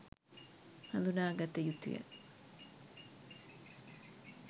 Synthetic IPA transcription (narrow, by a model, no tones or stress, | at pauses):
hɐnd̪unaːɡɐt̪ːejut̪ːṵjə̰